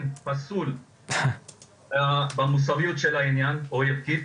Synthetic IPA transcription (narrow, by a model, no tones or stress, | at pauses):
npasul | bamus̬avijut̪ʃelainjanojevkit̪